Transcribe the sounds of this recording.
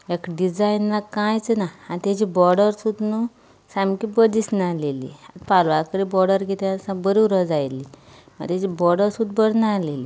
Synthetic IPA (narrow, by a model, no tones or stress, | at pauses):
ekɖid͡zajnːakãjt͡snaãnt̪jat͡ɕibɔɾɽəɾsud̪nu | samkibəd̪isnalelḭa̰t̪palʋakəɾibɔɾɖəɾɡet̪esãbəɾuɾəd͡zajli | mə̰t̪at͡ɕibɔɾɽəɾsud̪̚bəɽnaleli